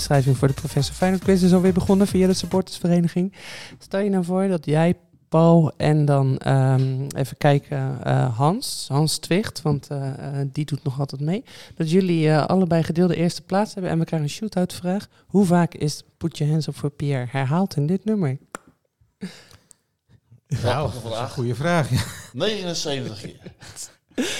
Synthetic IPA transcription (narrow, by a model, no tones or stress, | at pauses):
srɛjvɪŋvʊːɹdəprofɛsɔɹfɛjnəntkʋɪs̬ɪsɔlˠʋɪːɹbəχɔnəvijadəsəpoːɹtə̥sfərejnəχɪŋstɛlˠjənavʊːɹdɑtjɛj | pɔwlˠɛndɑnəḛːvəkɛjkʰə̰ɦɑnsɦɑnstʋɪχtʋɑntdidutnɔχɑlˠtɛtmejd̥ɑtjɵliəʔɑ̰ləbɛjχədɪːlˠdəʔɪːɹstə̥plaːtshɛbənʔɛ̰nʋəkrɛjχənənʃutaɥtəfraːχ | huvaːkɪsputjəɦɛnsɔfpapːɹhɛɹɦaːlˠtɪndɪtnøməɹ | χujəvraːχanejχənənsejvəntəχɪ̰